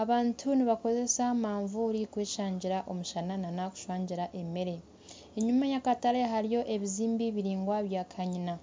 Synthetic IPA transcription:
aβaːntʰuniβako̞ze̞samaːɱvuɾikweːʃaːɲɟiɾaʔo̞muʃanananaku̥ʃwaːɲɟiɾaʔe̞me̞ɾe̞ | eɲumajakataɾeɦaɾijo̞ʔe̞βiziːmbiβiɾiːŋɡwaβjaːkʰaɲina

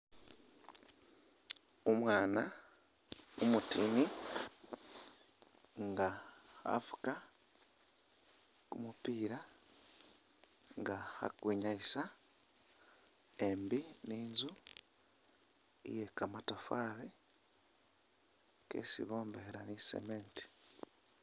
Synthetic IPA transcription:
umwaːna | umutini | ŋɡaha̰fu̥ka | kumupiːɾa | ŋɡaha̰kwiːɲaisa | embiniːnzu | ḭjekamatafaːɾe | ke̞̰sḭβo̞ːmbeɾanisḛmeːnti̥

